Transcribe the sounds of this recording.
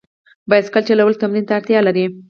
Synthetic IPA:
baj̪skalt͡ʃelawəl̚t̪amɾint̪aːɾt̪jɑlaɾi

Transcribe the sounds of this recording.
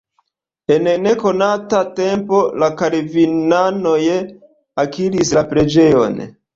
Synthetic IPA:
e̞nne̞ko̞natate̞mpo̞lakaɾvinano̞je | akiɾislapɾe̞d͡ʒe̞jo̞̰n

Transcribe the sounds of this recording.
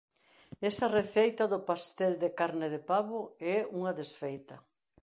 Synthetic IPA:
ɛsɐreθejt̪ɐðʊpast̪ɛld̪ekaɾnɪðepaβʊɛuŋɐðesfejt̪ɐ

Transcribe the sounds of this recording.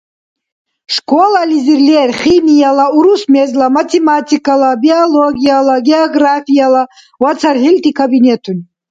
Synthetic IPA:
ʂkʷʰolalʲizirlerχʲimijalauɾusmezlamatʰematʰikalabioloɡʲijalaɡeoɡrafijala | wat͡sʰarħilt̪ʰʼikʰabinetʰun

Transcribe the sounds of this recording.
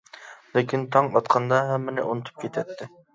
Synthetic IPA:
lɪkʲʰint̪ʰɑŋɑt̪qʰɑnd̪ɑɦɛmːɪnɪʔunɨt̪ʰu̥p̚kʲʰet̪ʰɛt̪ʰːɪ

